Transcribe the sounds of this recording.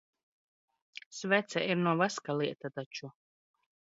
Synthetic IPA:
svɛt̪sʲɛʔiɾnuɔvaskalˠiɛt̪at̪at͡ʃu

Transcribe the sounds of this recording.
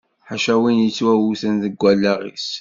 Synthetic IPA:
ħaʃæwinjət͡sːwæwuθənðəɡʷːælːæʁḭs

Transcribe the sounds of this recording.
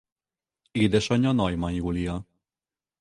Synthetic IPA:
eːd̪ɛʃɒɲɒnɒjmɒjuːlijɒ

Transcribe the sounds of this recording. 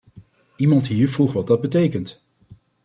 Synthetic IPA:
imɑntɦiːɹvruχʋɑd̚dɑd̚bətejkənt

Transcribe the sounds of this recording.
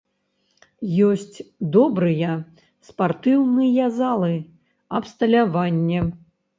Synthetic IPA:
jɔsʲt͡sʲd̪ɔbɾɨjɛ | spart̪ɨwnɨjɛzalˠɨ | ɐpst̪ɐlʲavanʲːɛ

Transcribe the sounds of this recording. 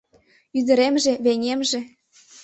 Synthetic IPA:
yd̪ə̆ɾemʒĕβenʲemʒĕ

